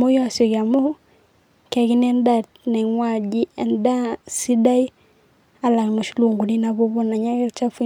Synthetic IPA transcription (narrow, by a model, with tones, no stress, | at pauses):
mɔ˦jɔ˦a˨sjɔ˨ɣja˨mo˦ | ka˨ɣi˦nɛ˦n˦da˨t | nɛ˨ŋwa˨d͡ʒi˦ɛ˨nda˦si˦da˦i˦ | a˦la˨ɣmo˨ʃi˦lu˨ŋɡu˨ni˦na˨βɔ˦βɔ˦na˨ɲa˦ɣɛ˦t͡ʃa˦fi˦